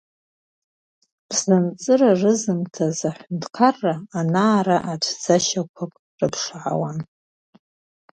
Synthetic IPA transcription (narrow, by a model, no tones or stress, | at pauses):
b̥znɨmt͡sʼɨrarɨzɨmtʰazaħʷndqʰarːaːnaːɾaʔatʷʰd͡zaʃakʷʰakʼ | rɨpʰʂʕa̰wan